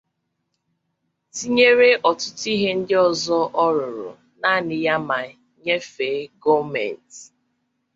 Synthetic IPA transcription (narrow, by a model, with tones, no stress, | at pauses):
ti˦ɲe˦ɾe˦ʔɔ˨tʊ˦ti˦ɦe˦n̩˦dɪ˦ɔ˨zɔ˦ʔɔ˦ɾʊ˨ɾʊ̰˨ | na˦˨nɪ˨ja˦ma˨ | ɲe˦fe˨˦ɡɔ˦mɛ̰˨n˨t